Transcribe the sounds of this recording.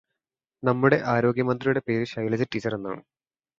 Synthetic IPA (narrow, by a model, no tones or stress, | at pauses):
nɐmːuɽe̞ʔaːɾo̞ːɡjɐmɐnd̪rijuɽe̞pe̞ːɾuɕɐjɐlɐd͡ʑɨʈːiːt͡ɕːɐɾenːa̰ːɳɨ